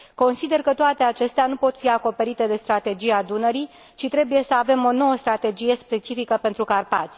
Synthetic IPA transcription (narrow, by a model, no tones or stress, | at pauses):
ko̞nsid̪e̞rkət̪oat̪e̞at͡ʃe̞st̪eanupo̞t̪fiako̞pe̞ɾit̪e̞d̪e̞st̪ɾat̪e̞d͡ʒijad̪unəɾij | t͡ʃit̪ɾe̞buje̞səave̞mo̞no̞wəst̪ɾat̪e̞d͡ʒije̞spe̞t͡ʃifikəpe̞nt̪ɾukarpa̰t̪sʲ